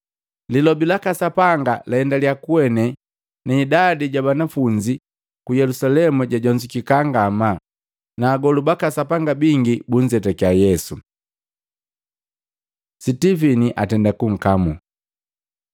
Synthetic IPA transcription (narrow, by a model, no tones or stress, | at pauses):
lilɔbilakasapaŋɡalɛɛndaljakuɛnɛ | naːdadiɟabanafuɲd͡ʒi | kujɛlusalɛmuɟaɟɔɲd͡ʒikikaŋɡama | naːɡɔlubakasapaŋɡabiŋɡibuɲd͡ʒɛtakiajɛsu | sitiviniʔa̰tɛndakuŋ̩kamu